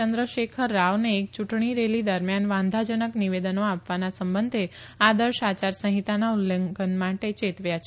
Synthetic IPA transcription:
ənd̪ɾəʃekʰəɾːaʋneːk̚t͡ʃuʈɳ̃iɾelid̪əɾmjanʋãnd̪ʱad͡ʒənəkniʋed̪ənoapʋanasəmbənd̪ʱe | ad̪əɾʃat͡ʃaɾsə̃ɦit̪anaulːeɡənmaʈet͡ʃet̪ʋjat͡ʃʰ

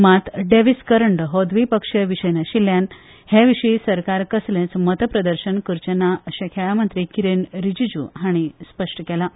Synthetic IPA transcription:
mat̪ɖeʋiskəɾəɳɖɦod̪ʋipəkʂəʋiɕəjnaɕiljan | heʋiʂiːsəɾkaɾkəslẽt͡smət̪əpɾəd̪əɾɕənkəɾt͡ɕənaəɕekʰeɭamənt̪ɾikiɾenɾid͡ʑid͡ʑṵːɦaɽ̃ispəʂʈəkɛla

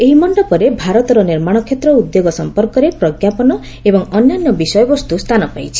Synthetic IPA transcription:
eɦimɔɳɖɔpɔɾebʱaɾɔt̪ɔɾɔniɾmaɽ̃ɔkʰjet̪ɾɔud̪joɡɔsɔmpɔɾkɔɾepɾɔɡjapɔnɔ | ebɔŋɔnːanːɔbisɔjɔbɔst̪ust̪ʰanɔpajt͡ʃʰi̥

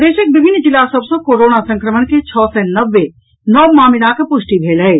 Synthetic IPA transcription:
d̪eːʃək̚bɪbʱɪnːd͡ʒɪlasəbsõkoːɾoːnasə̃ŋkɾəmənket͡ʃʰɔːsɛnəʋːe | nɔːbmaːmɪlakəpʊʃʈibʱeːlɦɛ

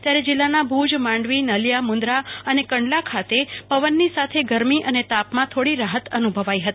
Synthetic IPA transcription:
t̪jaɾed͡ʒɪlːanabʱud͡ʒmãɳɖʋinəljamʊ̃nd̪ɾaənekəɳɖlakʰat̪epəʋənːisat̪ʰeɡəɾmiʔənet̪apmãt̪ʰoɽiɾaɦət̪ənubʱəʋajɦət̪i

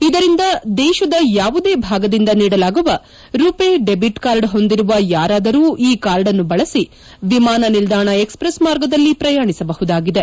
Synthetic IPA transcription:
id̪ɐɾind̪ɐd̪ɛːʃɐd̪ɐjaːʋud̪e̞ːbʱaːɡɐd̪ind̪ɐniːɽɐlaːɡuʋɐ | ɾupeːɖe̞biʈkaːɾɖɦo̞nd̪iɾuʋɐjaːɾaːd̪ɐɾuːʔiːkaːɾɖɐnːubɐɭɐsi | ʋimaːnɐnild̪aːɳɐekspɾɐsmaːɾɡɐd̪ɐlːipɾɐjaːɳisɐbɐɦud̪aːɡid̪e̞

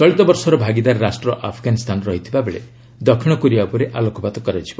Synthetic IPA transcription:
t͡ʃɔɭit̪ɔbɔɾsɔɾɔbʱaɡid̪aɾɾasʈɾɔʔapʰɔɡanist̪ʰanɔɾɔɦit̪ʰibabeɭḛ | d̪ɔkʰiɽ̃ɔkuɾiapɔɾeʔalokʰɔpat̪ɔkɔɾat͡ʃʰi̥bɔ

